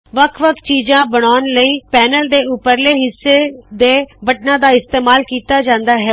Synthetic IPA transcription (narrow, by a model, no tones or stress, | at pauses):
ʋəkʰʋəkʰt͡ʃiːd͡ʒãːbəɽ̃aːnləiːpɛːnəld̪eːʊpːəɾleːɦɪsːeːd̪eːbəʈnãːd̪aːɪst̪eːmaːlkiːt̪aːd͡ʒãːnd̪aːɦɛː